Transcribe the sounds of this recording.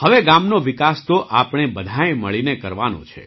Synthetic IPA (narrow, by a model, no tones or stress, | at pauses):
həʋeɡamnoʋɪkast̪oʔapɳ̃ebəd̪ʱajməɭinekəɾʋanõ̰t͡ʃʰḛ